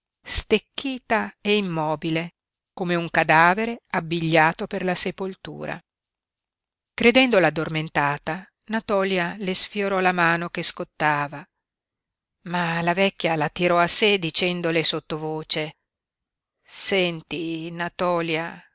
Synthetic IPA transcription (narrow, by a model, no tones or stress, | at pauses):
st̪ekːiːt̪aeimːɔːbile | komeuŋkad̪aːveɾeabːiʎːaːt̪operlasepolt̪ṵːɾa̰ | kɾed̪ɛnd̪olaːd̪ːorment̪aːt̪a | nat̪ɔːljalesfjoɾɔlamaːnok̟eskot̪ːaːva | malavɛkʲːjalat̪iɾɔased̪it͡ʃɛnd̪olesot̪ːovoːt͡ʃe | sɛnt̪inat̪ɔːlja